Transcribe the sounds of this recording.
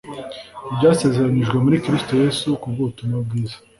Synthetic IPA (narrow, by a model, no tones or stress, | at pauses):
ibɟaːse̞ːze̞ɾaɲiʒɡwe̞muɾikɾisto̞jesukuvutumab̚ɡiːzḁ